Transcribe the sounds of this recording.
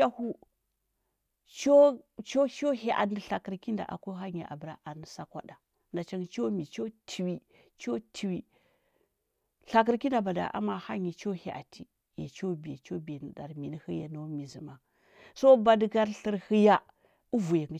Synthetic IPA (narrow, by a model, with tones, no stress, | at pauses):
a˦hu˦ | t͡ʃo˦t͡ʃo˦ʃo˦ɦe˨ʔa̰˨ndə˨ɬa˨kə˨ɾki˦nda̰˨ʔa̰˨kʷo˦ɦa˦ɲi˨ʔa̰˨bə˨ɾa̰˦ʔa˨nə˨sa˦kwa̰˦da˨ | nda˨t͡ʃa˦ŋ˨t͡ʃo˦mi˨t͡ʃo˦tʰi˨wi˦ | t͡ʃo˦tʰi˨wi˦ | ɬa˨k̬ə˦ɾki˦nda˨ba˨da̰˨ʔa̰˦ma˦ha˦ɲi˨t͡ʃo˦he˨ʔa̰˨tʰi˦ | jḛ˨t͡ʃo˦bi˨je˨t͡ʃo˦bi˨je˨nə˨da̰˨ɾmi˨n˦hə˦ja˨no˦mi˨zi˨ma˨ | so˦ba˨dɡa˦ɾɬə˦ɾhə˦ja˦ | u˦vu˨je˨ŋɡə˨